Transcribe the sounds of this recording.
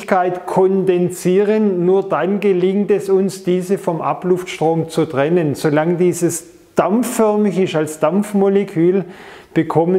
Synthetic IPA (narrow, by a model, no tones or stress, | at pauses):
kʰaɪtkʰɔndɛnsiːʁənːuːɐdanɡəlɪŋtɛsʊnsd̥iːzəfɔmʔa̰plʊftʃtʁ̥oːmt͡sutʁ̥ɛnənsolaŋdiːzəs | d̥amfœɐmɪçɪʃtalsd̥amp͡fmolekʰyːlb̥əkʰɔmə